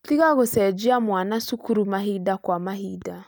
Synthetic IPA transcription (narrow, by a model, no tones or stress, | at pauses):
tiɣaɣosɛd͡ʒiamwanasukuɾumaɦidakwamaɦida